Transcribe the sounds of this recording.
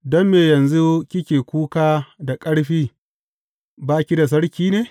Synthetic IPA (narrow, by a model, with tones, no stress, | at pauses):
dɔ˦mːeː˨jɐ˨nzu˦kʲɪ˦kʲeː˨kʷuː˦kaː˦da˨kʼɐ˦ɽɸiː˦ | baː˦kʲi˦da˨s̬ɐ˦ɽkʲiː˦neː˦